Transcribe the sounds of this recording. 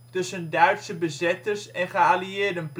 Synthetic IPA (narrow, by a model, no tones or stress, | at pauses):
tɵsəndœɥtsəbəzɪtəɹsɛnχəaliɪːɹdənp